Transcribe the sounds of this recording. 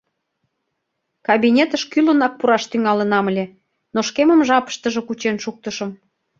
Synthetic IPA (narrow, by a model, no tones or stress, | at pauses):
kɑβʲinʲet̪əʃkylənɑk̚puɾɑʃt̪yŋɑlənɑməlʲe | noʃkeməmʒɑpə̥ʃt̪ə̆ʒĕkut͡ɕenʃuk̚t̪əʃə̆m